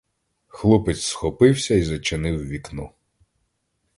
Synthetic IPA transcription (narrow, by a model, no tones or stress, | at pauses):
xlˠupɪt͡sʲsxɔpɪwsʲɐizɔt͡ʃenɪwʋʲiknu